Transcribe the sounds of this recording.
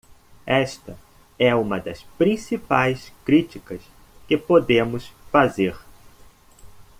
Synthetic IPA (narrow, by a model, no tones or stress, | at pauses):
ɛʃt̪ɐ | ɛũmɐd̪ɐspɾĩsipajskɾit͡ʃikɐs | kɪpod̪ẽmʊsfazeɾ